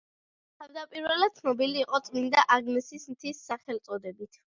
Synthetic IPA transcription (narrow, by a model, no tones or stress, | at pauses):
t̪ʰavd̪apʼiɾvɛlad̪̚t̪sʰnɔbiliːqʼɔt̪sʼmind̪aʔaɡnɛsismt̪ʰisːaχɛlt̪sʼɔd̪ɛbit̪ʰ